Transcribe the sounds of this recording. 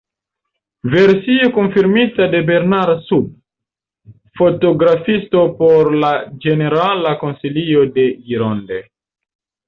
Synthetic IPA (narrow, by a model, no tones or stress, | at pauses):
ve̞ɾsio̞konfiɾmitade̞be̞ɾnaɾsub̚ | fo̞to̞ɡɾafisto̞po̞ɾlad͡ʒe̞ne̞ɾalako̞nsilio̞de̞iɾondḛ